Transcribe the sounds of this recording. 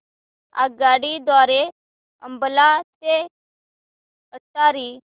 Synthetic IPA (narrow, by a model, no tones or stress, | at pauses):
a̰ɡaːɽid̪waːɾe | ə̰mbəlate | ətaːɾiː